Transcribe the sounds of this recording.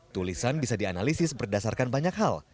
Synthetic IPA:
t̪ulisanbisadianalisɪsbərdasarkanbaɲak̚ɦal

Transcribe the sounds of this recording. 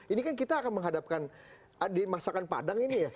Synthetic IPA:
inikankit̪aːkanməŋɦadap̚kan | ədimasakanpa̰daŋinija

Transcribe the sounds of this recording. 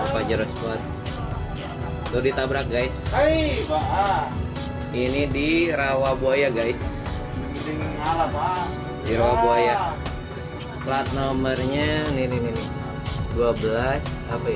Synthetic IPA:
pad͡ʒəɾɔspɔt̪̚ | t̪ʊdit̪abɾak̚ɡajs | a | inidiɾawabuajaɡajs | diŋala | diɾawabuaja | plat̪̚nomərɲanininini | duabəlasapaja

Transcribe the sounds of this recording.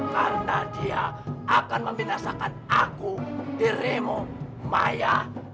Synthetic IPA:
karnadiaʔakanməmbinasakanakudiɾemomaja

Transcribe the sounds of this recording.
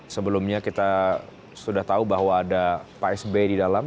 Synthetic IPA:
səbəlumɲakit̪a | sudaht̪aubaɦwaːdapaɛsbedidalam

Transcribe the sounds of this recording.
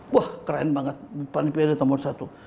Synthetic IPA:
ahkəɾanbaŋət̪̚panipiadat̪amonsat̪u

